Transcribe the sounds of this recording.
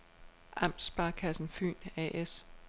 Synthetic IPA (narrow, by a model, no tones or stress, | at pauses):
ʔɑm̰̥sb̥ɑ̈ːkʰæsn̩fy̰ːnɛ̰ʔes